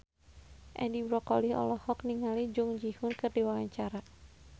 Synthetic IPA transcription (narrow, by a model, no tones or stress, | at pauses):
ʔɛ̰dibɾɔkɔlihɔ̰lɔhɔk̚niŋalid͡ʒuŋd͡ʒihʊnkɨrdiwawaɲt͡ʃaɾa